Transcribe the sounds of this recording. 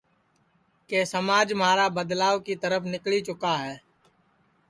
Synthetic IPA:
keːsəmaːd͡ʒmɦaːɾabəd̪laːʋkit̪əɾəfʰnɪklit͡ʃʊkaɦɛː

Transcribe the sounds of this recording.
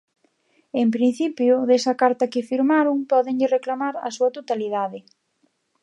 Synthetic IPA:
empɾin̟θipjʊðesɐkaɾt̪ɐkɪfiɾmaɾʊŋpɔðɪɲʎɪreklamaɾɐ̰suɐt̪ot̪aliðaðɪ

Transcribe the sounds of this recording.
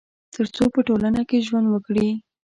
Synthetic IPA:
t̪əɾt͡sopəʈolanakeʒwand̪wəkɽi

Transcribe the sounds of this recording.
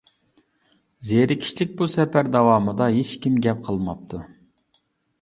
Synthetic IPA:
zeɾɪkʲʰi̥ʃlɪk̚ʲbusɛpæɾd̪ɑwɑːmɨd̪ɑɦet͡ʃkʲimɡʲɛp̚qʰəlˠmɑp̚t̪ʰu

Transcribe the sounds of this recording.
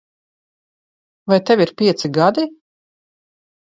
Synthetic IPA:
vajt̪ɛviɾpʲiɛt̪siɡad̪i

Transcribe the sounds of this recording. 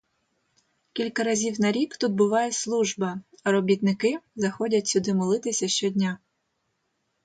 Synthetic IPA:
kʲilʲkɐɾɐzʲiwnɐɾʲikt̪ud̪̚bʊʋɑjɛslˠuʒbɐ | ɐɾɔbʲit̪nɪkɪzɐxɔdʲɐtʲsʲʊd̪ɪmɔlˠɪt̪ɪsʲɐʃt͡ʃɔdʲnʲa

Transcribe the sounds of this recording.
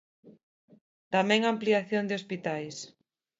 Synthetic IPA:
t̪amɛ̃ŋampliaθjond̪ɪospit̪ajs

